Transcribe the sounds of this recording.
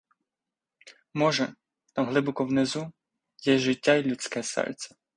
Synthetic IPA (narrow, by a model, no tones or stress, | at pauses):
mɔʒɛ | t̪ɑmɦlˠɪbɔkɔwnezu | jɛʒɪtʲːailʲut͡sʲkɛsɛ̰lʲt̪t͡s̪ʲɐ̥